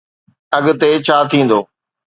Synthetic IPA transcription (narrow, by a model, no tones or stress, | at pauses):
ɐɠt̪et͡ɕʰaːt̪ʰĩːn̆d̪oː